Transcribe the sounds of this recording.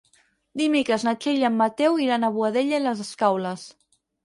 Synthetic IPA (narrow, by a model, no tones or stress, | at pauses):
d̪imikəznat͡ʃeʎamːat̪ɛwiɾanəβuaðeʎeləzəskawləs